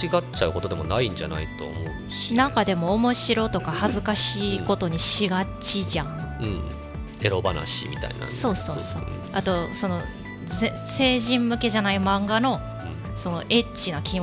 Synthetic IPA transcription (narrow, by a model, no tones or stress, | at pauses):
iɡat͡ɕaɯ̟ko̞t̪od̪e̞mo̞naĩɲ̟d͡ʑa̰na̰it̪o̞̰ːmo̞ɯɕi̥nakad̪e̞mo̞ːmo̞ɕiɾo̞t̪o̞kahazɨkaɕiːko̞t̪o̞ɲ̟iɕiɡat͡ɕiʑãɯ̃ɴ | e̞ɾo̞bana̰ɕḭmʲit̪a̰ḭna̰so̞ːsoːo | at̪o̞so̞no̞ | e | se̞ːʑĩmmɯ̟ke̞ʑanaimãŋɡano̞ | so̞no̞ʔe̞t͡ɕinokʲĩ